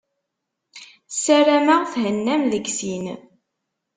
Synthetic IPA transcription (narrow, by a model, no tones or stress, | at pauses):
sæɾæmaʁθhənːæmðəɡsin